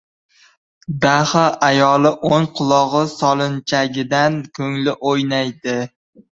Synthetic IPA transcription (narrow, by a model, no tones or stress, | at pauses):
bahɑajɒlɪʔoŋqʰʊlˠɒʁɨsɒlˠɪnt͡ʃʰaɡʲɪd̪ankʲʰɵŋlɪʔojnajd̪ɪ